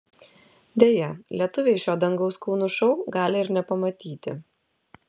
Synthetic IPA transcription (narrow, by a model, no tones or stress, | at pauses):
d̪ʲeːjɛlʲiɛt̪ʊʋʲeɪʃʲoːd̪ɐŋɡɐʊskuːnuʃɐʊɡɑːlʲɪɪɾnʲɛpɐmɐt̪ʲiːt̪ʲɪ̰